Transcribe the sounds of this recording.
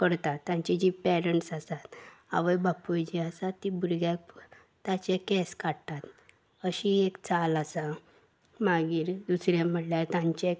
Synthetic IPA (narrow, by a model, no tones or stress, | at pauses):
kəɾt̪at̪ːjãɲt͡ɕid͡ʑipɛɾəɳʈsasat̪a̰ʋəjbapujd͡ʑiasat̪ːibuɾɡjak | t̪ːat͡ɕekɛskaɽt̪at̪ | əɕiekt͡salasa | maɡiːɾd̪usɾjãm̤əʈljaɾt̪ãɲt͡ɕe